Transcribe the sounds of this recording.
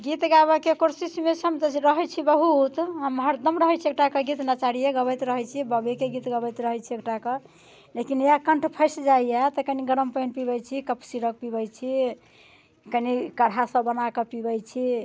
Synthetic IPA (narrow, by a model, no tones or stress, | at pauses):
ɡit̪ɡaβəkekoɾsismesəmt̪əɾəɦəjt͡ʃʰibəɦut̪ɦəmɦəɾd̪əmɾəɦɛt͡ʃʰek̚ʈakəɡit̪nat͡ʃaɾijeɡəbəjt̪ɾəɦɛt͡ʃʰibəbekeɡit̪ɡəbəjt̪ɾəɦɛjt͡ʃʰiekʈakɔ | lekinjakəɳʈʰpʰəɪsd͡ʒaiɛt̪ɔkəniɡəɾəmpəjnpibəjt͡ʃʰikəpsiɾək̚pibət͡ʃʰi | kənikəɽɦasəbənakəpibəjt͡ʃʰi